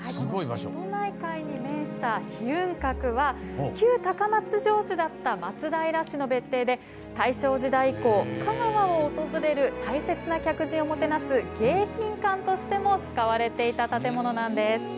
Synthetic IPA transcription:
haɡoiot̪onaikaiɲ̟imẽ̞ɰ̃ɕi̥t̪açiɯ̟̃ŋkakɯ̟βakʲɨːt̪akamat͡sɨʑo̞ːɕɨd̪at̪ːamat͡sɨd̪aiɾaɕino̞be̞t̪ːe̞ːd̪e̞ | t̪aiɕo̞ːʑid̪aiko̞ːkamaβaoːt̪o̞zɨɾe̞ɾɯ̟t̪aise̞t͡sɨnakʲakɯ̟ʑĩomo̞t̪e̞nasɨɡ̥e̞ːçĩŋkãnt̪o̞ɕi̥t̪e̞mo̞t͡sɨ̥kaβaɾe̞t̪e̞it̪at̪at̪e̞mo̞no̞nãnd̪e̞sɨ̥

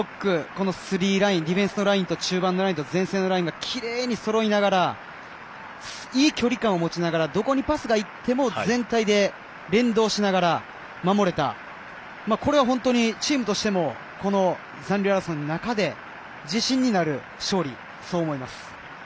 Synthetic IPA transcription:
okːɯ̟ko̞no̞sɨɾʲiːɾaĩnɾʲibeɰ̃sɨnoɾaĩnt̪o̞t͡ɕɨːbãnːo̞ɾaĩnt̪ozẽ̞ɰ̃se̞ːno̞ɾaĩŋɡakʲʰiɾe̞ːɲ̟iso̞ɾo̞inaɡaɾa | s | iːkʲo̞ɾʲikãɰ̃o̞mo̞t͡ɕinaɡaɾad̪o̞ko̞ɲ̟ipasɨɡait̪ːe̞mo̞zẽ̞nt̪aid̪e̞ | ɾẽ̞nd̪o̞ːɕinaɡaɾa | mamo̞ɾe̞t̪a̰ | mako̞ɾe̞β̞aɦõ̞nt̪o̞ɲ̟it͡ɕiːmɯ̟t̪o̞ɕi̥t̪e̞mo̞ | ko̞no̞ | zãnɾʲɯaɾasõnonakad̪e̞ | d͡ʑiɕĩɲ̟ːinaɾɯ̟ | ɕo̞ːɾʲi | so̞ːmo̞imasɨ̥

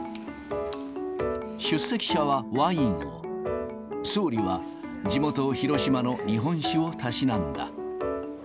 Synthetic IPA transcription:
ɕɨsːe̞kʲi̥ɕaβaβaĩɰo̰ | so̞ːɾʲiβa | d͡ʑimo̞t̪o̞çiɾo̞ɕimano̞ɲʲiɦõ̞ɰ̃ɕio̞t̪aɕinãnd̪a̰

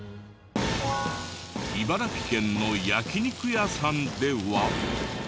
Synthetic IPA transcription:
ibaɾakʲi̥kẽ̞nːo̞jakʲiɲʲikɯjasãnd̪e̞βa

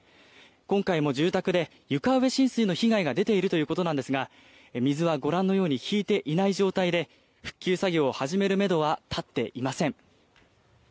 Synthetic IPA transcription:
kõ̞ŋkaimo̞ʑɨːt̪akɯ̟d̪e̞ | jɯ̟kaɯ̟βe̞ɕĩɰ̃sɨinoçiɡaiɡad̪e̞t̪e̞iɾɯ̟t̪o̞jɯ̟ːko̞t̪o̞nãnd̪esɨɡa | mʲizɨβaɡo̞ɾãnːo̞jo̞ːɲ̟içʲiːt̪e̞ʔinaiʑo̞ːt̪aid̪e̞ | ɸɯ̟̥kʲːɨːsaɡʲo̞ːhaʑime̞ɾɯ̟me̞d̪o̞βat̪ʰat̪ːe̞ʔimasẽ̞ŋ

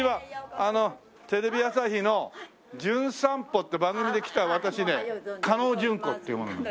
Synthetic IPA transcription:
iβaano̞ | t̪e̞ɾe̞bʲijasaçino̞ | d͡ʑɨ̃ɰ̃sãmpo̞t̪ːebãŋɡɯ̟mʲid̪e̞kʲi̥t̪aβat̪aɕine̞kano̞ːd͡ʑɨ̃ŋko̞t̪ːeiɯmonon

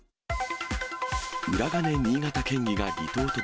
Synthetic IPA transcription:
ɯ̟ɾaɡane̞ɲ̟ʲiːɡat̪akẽ̞ŋɡʲiɡaɾʲit̪o̞ːt̪o̞

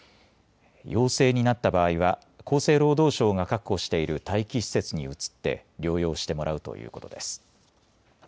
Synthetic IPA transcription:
jo̞ːse̞ːɲ̟inat̪ːabaːiβa | ko̞ːse̞ːɾo̞ːd̪o̞ːɕo̞ːŋakakːo̞ɕi̥t̪e̞iɾɯ̟t̪aikʲiɕi̥se̞t͡sɨɲ̟iɯ̟t͡sɨ̥t̪ːe̞̰ɾʲo̞ːjo̞ːɕi̥t̪e̞mo̞ɾʔaɯ̟t̪o̞̰jʔɯ̟̰ːko̞t̪o̞d̪e̞sɨ̥

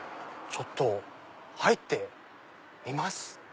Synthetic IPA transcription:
t͡ɕo̞t̪ːo̞ | hait̪ːe̞ | imasɨ̥

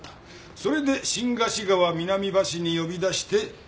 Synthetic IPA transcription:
so̞ɾe̞d̪e̞ɕĩŋɡaɕiɡaβamʲinamʲibaɕiɲ̟ijo̞bʲid̪aɕi̥t̪e̞

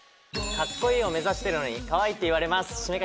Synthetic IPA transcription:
kakːoio̞me̞zaɕi̥t̪e̞ɾɯ̟no̞ɲ̟ikaβait̪ːeiβ̞aɾe̞masɨ̥ɕɨme̞ka

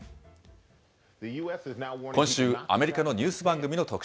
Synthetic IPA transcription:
ðɨjuɛsznaɔkõ̞ɕɕɨːa̰me̞ɾʲikano̞ɲʲɨːsɨbãŋɡɯ̟mʲino̞t̪o̞kɯ̟̥

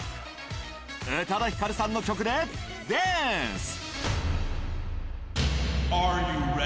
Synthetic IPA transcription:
et̪ʰad̪açi̥kaɾɯsanːokʲʰokɯ̟d̪e | d̪es | aɹjuɹ

